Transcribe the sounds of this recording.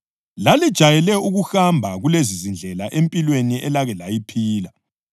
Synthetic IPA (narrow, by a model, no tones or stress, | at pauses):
lalid̥ʒ̥ʱajɛlɛuɣuxambʱaɣulezizind͡ɮʱɛlaʔempʼilweniʔɛlaɣɛlajipʰiːla